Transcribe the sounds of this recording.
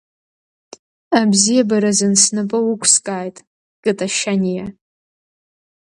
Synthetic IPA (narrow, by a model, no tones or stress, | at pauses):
abzijabaɾazɨnsnapʼɨwʊkʷʼʰskʼaːjtʼ | kʼɨtʼaʃanʲija